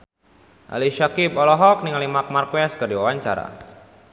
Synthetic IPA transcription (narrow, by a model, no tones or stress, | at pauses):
ʔa̰liʃakipɔlɔɦɔk̚niŋalimak̚markwɛskərdiwawaɲt͡ʃa̰ɾa̰